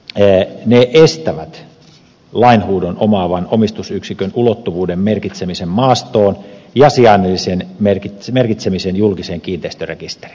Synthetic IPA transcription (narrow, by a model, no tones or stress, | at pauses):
neʔest̪æʋæt̪ | lɑinhuːdonomɑːʋɑnomist̪usyksikønulot̪ːuʋuːdemmerkit̪semisemmɑːst̪oːnjɑsiɑnːelːisenmerkit̪merkit̪semisenjulkiseːŋkiːnt̪eist̪ørḛkist̪e̥ri̥n